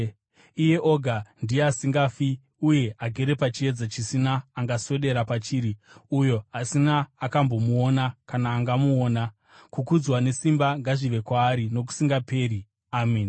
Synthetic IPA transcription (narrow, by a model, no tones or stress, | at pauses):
ije̞ʔo̞ɡʱandijeasiŋɡafi | uje̞aɡʱe̞ɾe̞pat͡ʃie̞d͡zat͡ʃisinaːŋɡaswe̞ɗe̞ɾapat͡ʃiːɾi | ujo̞asinaːkambo̞muonakanaːŋɡamuoːna | kukud͡zwane̞simbaŋɡaʐiʋe̞kwaːɾino̞k̬u̥siŋɡape̞ːɾi | aːmiːn